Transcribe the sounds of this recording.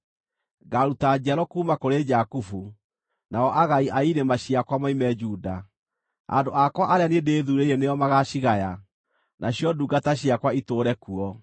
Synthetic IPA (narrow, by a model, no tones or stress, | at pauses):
ɡaɾutad͡ʒaɾɔkuːmakoɾed͡ʒakufu | naɔʔaɣaiʔaiɾemaɕiakwamaimɛd͡ʒuːda | a̰ndoʔakwaʔaɾeaniendeːðuɾeiɛneɔmaɣaɕiɣaja | nʔaɕjɔduːɡataɕiakwaitoːɾɛkuɔ